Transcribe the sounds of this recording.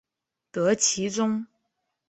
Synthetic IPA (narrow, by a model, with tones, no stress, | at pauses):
t̪ɤ˧˥t͡ɕʰi˧˥ʈ͡ʂʊ˥ŋ